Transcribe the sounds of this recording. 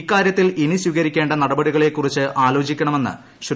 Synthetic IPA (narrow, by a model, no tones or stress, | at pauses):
kːaːɾjɐt̪ːiliniswiɣɐɾikʲːe̞ːɳɖɐnɐɽɐbɐɽiɣɐɭe̞kːurit͡ɕːɨʔaːlo̞ːt͡ɕikʲːɐɳɐme̞nːɨ̰ | ɕu